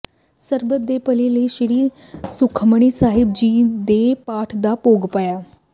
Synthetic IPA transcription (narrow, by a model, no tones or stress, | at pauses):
səɾbət̪̚d̪eːpəleləiʃɪɾiː | sʊkʰməɽ̃iːsaːɦɪb̚d͡ʒiːd̪eːpaːʈʰd̪aːpoːɡpajaː